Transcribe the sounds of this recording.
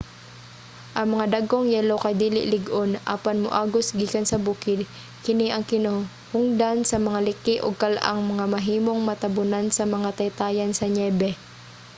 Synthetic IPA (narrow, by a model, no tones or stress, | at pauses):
ʔɐŋmɐŋad̪aɡʔoŋjɛːlokɐjd̪iːlɪ̰ʔlɪɡʔonʔa̰ːpanmʊʔaːɡosɡiːkansɐbuːkɪd̪̚ | kɪniʔɐŋkɪno | hʊŋd̪ansɐmɐŋalɪkɪʔoɡ̚kɐlʔa̰ŋmɐŋamɐɦiːmo̞ŋmɐt̪ɐbʊnansɐmɐŋat̪ɐjt̪aːjɐnsɐɲɛːbɛ